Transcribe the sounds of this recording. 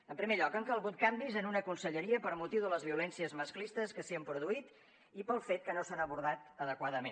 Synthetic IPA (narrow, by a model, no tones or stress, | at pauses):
əmpɾimeʎɔkəŋkəlˠɣut̪̚kambizənunəkunsəʎəɾiəpəɾmut̪iwðələzβiulɛnsiəzməsklist̪əskəsiəmpɾuðuit̪ | ipəlˠfet̪̚kənosanəβ̞uɾð̞at̪əðəkwaðəmẽn